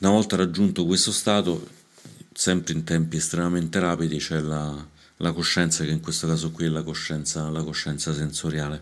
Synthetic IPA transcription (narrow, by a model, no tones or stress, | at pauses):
unavɔlt̪aɾad͡ʒːunt̪okwest̪ost̪aːt̪o | sɛmpɾeint̪ɛmpiɛst̪ɾemament̪eɾaːpid̪it͡ʃɛla | lakoʃːɛnt̪sakeiŋkwest̪okaːzokwiɛlakoʃːɛnt̪salakoʃːɛnt̪sasensoɾjaːle